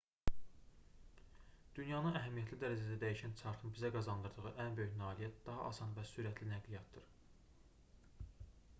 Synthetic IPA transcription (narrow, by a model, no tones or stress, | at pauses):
d̪̥ynjɑnɯnæɦæmijæt̪lid̪æɾæd͡ʒæd̪æd̪æjiʃænt͡ʃʰɑɾt̪ʰɯnbizæɡɑzɑnd̪ɯɾd̪ɯʁɯʔænbø̞jyçnɑːlijæt̪̚d̪ɑɦɑ̰ʔɑsɑnvæsyɾæt̪ʰlinæɡlijɑt̪̚d̪ɯɾ